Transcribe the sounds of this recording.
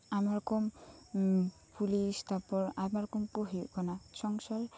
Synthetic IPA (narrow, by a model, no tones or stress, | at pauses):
amaɾkɔm | pulist̪apɔɾamaɾkɔmkuɦej̰ʔkɔnat͡ʃɔŋsɔl